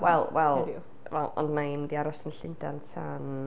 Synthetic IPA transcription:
wɛlˠwɛlˠ | wɛlˠɔ̰ndmandiaɾɔsənɬɪndantʰan

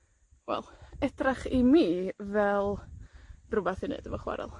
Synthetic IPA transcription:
wɛ̰lˠɛdraχimiːvɛlˠ | rʊbaθɪnɨ̰d̥əvɔχwa̰ɾɛ̰lˠ

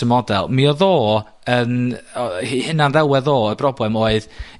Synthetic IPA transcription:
əmɔdalˠmiɔðoː | ən | hihɪnanðɛwɛðoːəbrɔblˠɛmoːɨð

